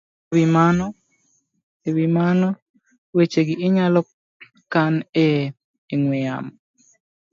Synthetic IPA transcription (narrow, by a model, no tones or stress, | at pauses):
wimanɔ | ewimanɔ | wet͡ʃeɡɪːɲalɔ | kane | iŋwɪja̰m